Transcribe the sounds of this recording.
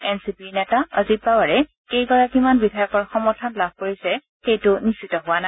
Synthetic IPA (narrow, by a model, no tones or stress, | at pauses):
ɛnsipinɛtaə̰zit̚babaɹɛ | kejkɔɹakimanbidʱajɔkɔɹxɔmɔtʰanlab̚ʱkoɹisɛ | xejtʊnisitɔɦʊana